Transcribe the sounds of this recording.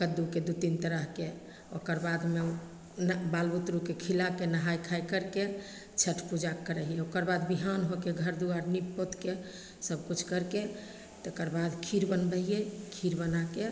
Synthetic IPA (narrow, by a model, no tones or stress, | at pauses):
kəd̪uked̪ut̪int̪əɾəɦke | o̰kəɾbad̪ʱme | nbalbut̪ɾukekʰilakenəɦajkʰajkəɾke | t͡ʃʰəʈʰpud͡ʒakːəɾəɦiɛokəɾbad̪biɦanɦokeɡʱəɾd̪uaɾnipːot̪ke | səb̚ʱkut͡ʃʰkəɾke | t̪okəɾbad̪ʱkʰiɾbənbəɦiɛkʰiɾbənake